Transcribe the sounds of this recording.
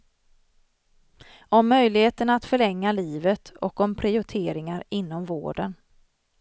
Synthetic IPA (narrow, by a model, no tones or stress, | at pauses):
ɔmːœjlɪheːt̪əɳaat̪fœɭɛŋːaliːvət̪ʰɔkɔmpʰɾɪʊʈ̪ʰeːɾɪŋaɾɪnːɔmvo̰ːɖən